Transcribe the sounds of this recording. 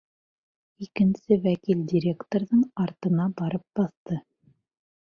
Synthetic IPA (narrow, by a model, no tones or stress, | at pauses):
ikɘ̆nsɘwækildʲiɾʲekt̪oɾðɤɴɑɾt̪ɤ̆nɑbɑɾɤp̚bɑθt̪ɤ